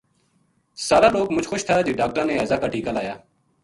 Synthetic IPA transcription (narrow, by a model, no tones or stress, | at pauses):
saːɾaːloːkmʊd͡ʒʱxoʃt̪ʰaːd͡ʒeːɖaːk̚ʈɾãːnẽːɛːzaːkaːʈʰiːkaːlaːjaː